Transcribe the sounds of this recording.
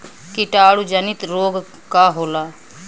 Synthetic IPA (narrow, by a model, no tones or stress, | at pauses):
kɪʈaːɽud͡ʒənɪt̪ɾoːɡ | kaːɦoːlaː